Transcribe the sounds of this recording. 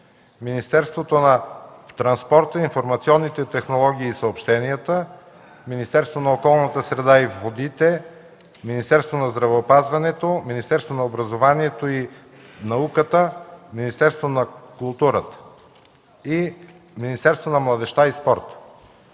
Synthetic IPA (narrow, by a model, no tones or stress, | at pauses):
minist̪ɛɾst̪vot̪onɐt̪ɾɐnspɔɾt̪əinfoɾmɐt̪siɔnːit̪ɛt̪ɛxnolˠɔɡ̟iːsəopʃt̪ɛniət̪ə | minist̪ɛɾst̪vonɐokɔlˠnət̪əsɾɛd̪aivvod̪it̪ɛ | minist̪ɛɾst̪vonɐzd̪ɾɐvɛopazvɐnɛt̪ominist̪ɛɾst̪vonɐobɾɐzovaniɛt̪oi | nɐukət̪əminist̪ɛɾst̪vonɐkulˠt̪uɾət̪ə̥ | i | minist̪ɛɾst̪vonɐmlˠɐd̪ɛʃt̪aispɔɾt̪